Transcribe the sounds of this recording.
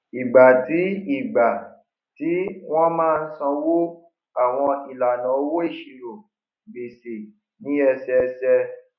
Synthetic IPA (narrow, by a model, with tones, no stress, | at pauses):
i˨ɡ͡ba˨ti˨˦i˦˨ɡ͡ba˨ | ti˦w̃ɔ̃˦mãː˦˧n̩˦sɔ̃˧wo˦ | a˦˨w̃ɔ̃˧i˨la˨nã˨˦o˦wo˦i˦˨ʃi˨lo˨ | be˨se˨ | nĩ˨˦ɛ˧sɛ˧sɛ˧